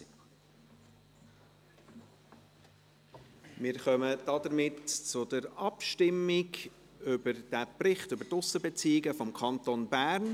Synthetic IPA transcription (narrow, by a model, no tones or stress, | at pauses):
mɪːɾχœməd̥ɑd̪əɾmɪtt͡sʊdəɾɑpʃtɪmːɪɡ | ʏbəɾd̥æprɪχtʏbəɾtʊsəbɛt͡siːɪɡəfɔmkʰɑntonbæːɾn